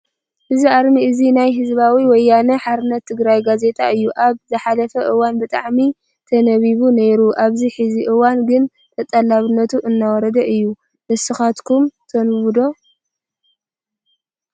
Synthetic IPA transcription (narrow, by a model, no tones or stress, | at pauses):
hɨziʔaɾmiɨzinajɦɨzbawiwɔjːanɐħaɾɨnːɐt̪ʰːɨɡɾajɡaze̞t̪ʼa̰ʔɨjːuʔaβzɨħalɐfɐʔɨwanbɨt̪ʼa̰ʕmi | t̪ʰɐnɐβiβune̞ɾuʔaβziħɨziʔɨwanɡɨn | t̪ʰɐt̪ʼɐlaβɨnːɐt̪ʰuʔɨnːawɔɾɐd̪ɐʔɨjːu | mɐsɨxat̪kʰumt̪ʰɐnβud̪o̞